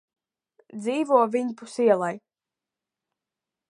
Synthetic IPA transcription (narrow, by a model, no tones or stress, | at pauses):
d̪ziːvuɔvʲiɲpusiɛlˠaj